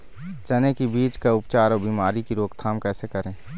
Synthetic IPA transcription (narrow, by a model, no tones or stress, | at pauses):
t͡ʃənekibiːt͡ʃkaʊpt͡ʃaːɾɔːbiːmaːɾikiɾoːɡt̪ʰaːmkɛːsekəɾẽː